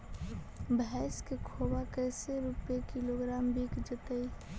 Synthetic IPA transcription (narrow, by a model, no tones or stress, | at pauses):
bɛɪskekʰobakəɪseɾupekiloɡɾaːmbikd͡ʒət̪əj